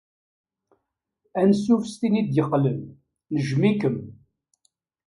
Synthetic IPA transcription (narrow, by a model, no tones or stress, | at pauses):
ænsufst̪inid̪jəqːlən | nəʒmikəm